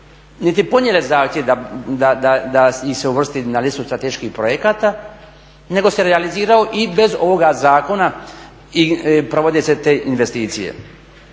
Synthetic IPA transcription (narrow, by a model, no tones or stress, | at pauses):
nit̪ipo̞njelezaːxt̪jeʋd̪ad̪ad̪ad̪aiseuʋr̩st̪inalit̪sust̪ɾat̪eʃkixpɾojekaːt̪a | ne̞ɡo̞se̞ɾealiziːɾao̞ʔibe̞zo̞ʋo̞ɡazaːko̞na | ipɾo̞ʋo̞d̪eset̪eːʔinʋest̪iːt̪sijḛ